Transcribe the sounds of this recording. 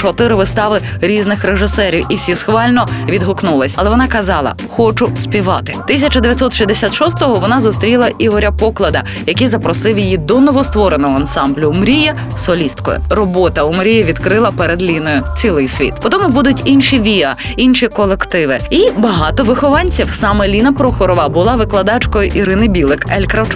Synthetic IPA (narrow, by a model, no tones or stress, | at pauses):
t͡ʃɔt̪ɪɾɪʋɪst̪ɑʋɪɾʲiznɪxɾeʒɪsɛɾʲiwiwsʲisxʋɑlʲnɔʋʲid̪ɦʊknulˠɪsʲɐlˠɛʋɔnɑkɐzɑlˠɐ̰xɔt͡ʃʊspʲiʋɑt̪ɪ̥t̪ɪsʲɐt͡ʃɐd̪eʋjɐt̪ʲsɔt̪ʃizʲd̪esʲat̪ʃɔst̪ɔɦɔʋɔnɑzʊst̪ɾʲilˠɐʔiɦɔɾʲɐpɔklˠɐd̪ɐ | jɐkijzɐpɾɔsɪwjijid̪ɔnɔʋɔst̪ʋɔɾenɔɦɔɐnsɑmblʲʊːmɾʲijɐ | sɔlʲist̪kɔ̰jʊ̰ɾɔbɔt̪ɐʊmɾʲijɛʋʲid̪kɾɪlˠɐpeɾed̪lʲinɔjʊt͡sʲilˠɪjsʲʋʲḭt̪pɔt̪ɔmʊbud̪ʊtʲinʃiʋʲiɐ | inʃikɔlˠekt̪ɪʋɪibɐɦɑt̪ɔʋɪxɔʋɑnʲt͡sʲiwsɑmɛlʲinɐpɾɔxɔɾɔʋɐbʊlˠɑʋɪklˠɐd̪ɑt͡ʃkɔjʊʔiɾɪnɪbʲilˠɪkɛlʲkɾɐwt͡ʃ